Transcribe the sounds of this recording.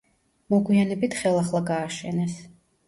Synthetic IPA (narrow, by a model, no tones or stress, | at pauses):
mɔɡwianɛbit̪ʰχɛlˠaχlˠaɡaːʃɛnɛs